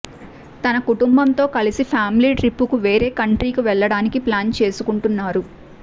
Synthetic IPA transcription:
t̪ɐnɐkuʈumbɐnt̪o̞ːkɐlisipʰaːmiliːʈɾipːukuʋe̞ːɾe̞ːkɐɳʈɾiːkiʋɛɭːɐɽaːnikiplaːnt͡ʃe̞ːsukuɳʈunːaːɾu

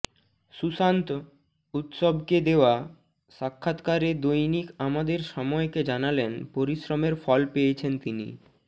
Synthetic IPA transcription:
ʃusant̪ | ut̪ʃobʱked̪eoa | ʃakʰːat̪kaɾed̪ojnikamad̪eɾʃɔmɔeked͡ʑanalenpoɾiʃɾomeɾfɔlpejet͡ɕʰent̪inḭ

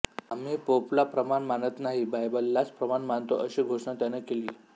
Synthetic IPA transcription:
amiːpoplapɾəmanmanət̪naɦibajbəlːat͡spɾəmanmant̪oʔəɕiːɡʱoʂɳat̪janekeliː

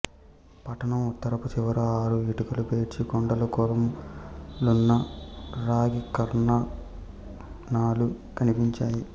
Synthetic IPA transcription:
pɐʈʰɐnɐmut̪ːɐɾɐput͡ʃiʋɐɾuaːɾuʋiʈukɐlupeːʈt͡ʃikoɳɖɐlukoɾɐm | lunːɐɾaːɡikɐɾnɐ | naːlu | kɐnipiɲt͡ʃaːji

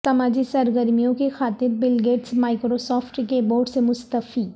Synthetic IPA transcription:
sɐmaːd͡ʒisɐɾɡəɾmijõkexaːt̪ɪɾbɪlɡeːʈsmaːɪkɾosɔːfʈkeboːɾɖsemʊst̪əfi

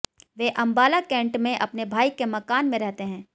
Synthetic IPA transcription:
ʋeʔɐ̃mbaːlakɛ̃ːɳʈmẽʔɐpnebʱaːikemɐkaːnmẽɾɛɦt̪eɦɛ̃ː

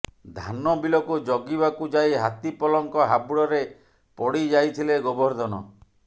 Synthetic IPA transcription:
d̪ʱanɔbilɔkud͡ʒɔɡibakud͡ʒajɦat̪ipɔlɔŋkɔɦabuɽɔɾe | pɔɽid͡ʒajt̪ʰileɡɔbɔɾd̪ɔnɔ̰

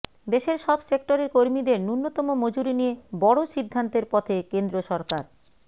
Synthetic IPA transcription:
d̪eʃeɾʃɔbsek̚ʈoɾeɾkoɾmid̪eɾnuɾnːot̪ɔmomod͡ʑuɾinijebɔɽoʃid̪ʱːant̪eɾpɔt̪ʰekend̪ɾoʃɔɾkaɾ

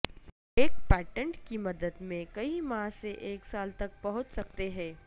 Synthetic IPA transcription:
eːk̚pɛːʈə̃ɳʈkimɐd̪əd̪mẽkɐimãːseʔeːksaːlt̪ɐk̚pɐɦʊ̃t͡ʃsɐk̚t̪eɦɛ̃ː

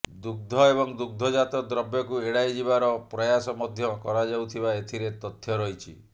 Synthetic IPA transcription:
d̪uɡ̚d̪ʱɔeβɔŋd̪uɡ̚d̪ʱɔd͡ʒat̪ɔd̪ɾɔbjɔkueɽajd͡ʒiβaɾɔpɾɔjasɔmɔd̪ʱjɔkɔɾad͡ʒawt̪ʰibaet̪ʰiɾet̪ɔt̪ʰjɔɾɔjt͡ʃʰi

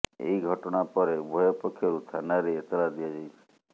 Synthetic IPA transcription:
ḛiɡʱɔʈɔɽ̃apɔɾebʱɔjɔpɔkʰːjɔɾut̪ʰanaɾeːt̪ɔlad̪iad͡ʒajt͡ʃʰi̥

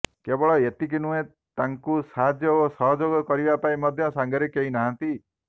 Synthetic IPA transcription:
kebɔɭɔet̪ik̬inuẽ | t̪aŋkusaɦad̪ʱjɔosɔɦɔd͡ʒoɡɔkɔɾibapaĩmɔd̪ʱjɔsaŋɡʱɔɾekeɦinaɦãnt̪i

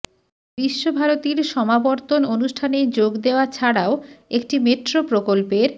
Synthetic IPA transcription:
biʃːobʱaɾot̪iɾʃɔmabɔɾt̪ononuʃʈʰaned͡ʑoɡd̪eoat͡ɕʰaɽaoek̚ʈimeʈɾopɾokolpeɾ

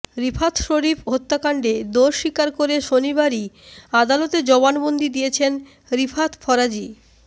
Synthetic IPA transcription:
ɾipʰat̪ʰʃoɾipɦot̪ːakaɳɖed̪oɾʃikaɾkoɾeʃoniβaɾiad̪alot̪ed͡ʑɔβanbond̪id̪ijet͡ɕʰen | ɾipʰat̪ʰfʰɔɾad͡ʑi

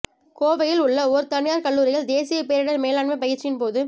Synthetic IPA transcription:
koːʋɐjɪlʊɭːɐɔɾɯt̪ɐɳɪjaːɾkɐɭːuːɾɪɣɐɭd̪eːsɪjɐpeːɾɪɽɐɾmeːlaːɳmɐpɐjɪɾt͡ʃːɪɪnpoːðɯ

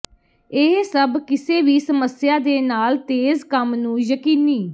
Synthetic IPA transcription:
ɪɦsəbkɪseːʋiːsəməsɪjãːd̪eːnaːlt̪eːzkəmnũːjəkiːniː

